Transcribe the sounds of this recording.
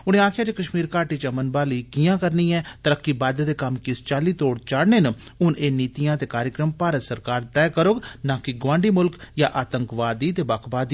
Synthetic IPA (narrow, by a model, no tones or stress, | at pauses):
ʊnẽːaːkʰjaːd͡ʒeːkəʃmiːɾkaːʈiːt͡ʃəmənbaːliːkijãːkəɾnĩːɛːt̪əɾəkːiːbaːd̪d̪eːkəmkɪst͡ʃaːliːt̪oːɽt͡ʃaːɽneːn | ʊneːniːt̪ijãːt̪eːkaːɾjəkɾəmpaːɾət̪səɾkaːɾt̪ɛːkəɾoːɡnaːkɪɡʋãːɳɖiːmʊlkjaːʔaːt̪əŋkʋaːd̪iːt̪eːbaːkʰbaːd̪